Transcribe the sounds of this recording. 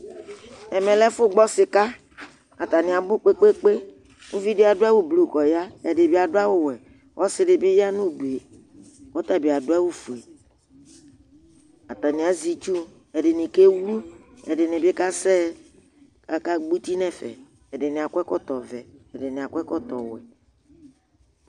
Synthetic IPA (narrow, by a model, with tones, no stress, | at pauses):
ɛ˨mɛ̃˨lɛ˦fʊ˦ɡ͡bɔ˦sɪ˨ka˦ | a˨t̪a˨nĩ˨a˨bʊ˦k͡pe˦k͡pe˦k͡pe˦ | ŋũ˦vi˦de˦a˨do˦a˦wo˦blu˨kɔ˨ja˦ɛ˨ɖe˨bi˦˨a˨do˦a˦wo˦wɛ˨ | wʔɔ˦sɪ˦ɖe˨be˦ja˦nũ˦du˨e˨ | wɔ˦t̪a˨bi˨a˨do˦a˦wu˦fu˨e˨ | a˨t̪a˨nĩ˨a˨zi˦t͡ʃu˦ | ɛ˨ɖɪ˨nĩ˨ke˦wu˦ | ɛ˨dɪ˨nɪ˨be˦ka˦sɛ˦ | a˨ka˦ɡ͡bu˦t̪i˦nɛ̃˦fɛ̰˨ | ɛ˨ɖɪ˨nɪ˨a˨kʷɛ˦kɔ˦t̪ɔ˨vɛ˨ɛ˨de˨nɪ̃˨a˨kɛ˦kɔ˦t̪ɔ˨wɛ̰˨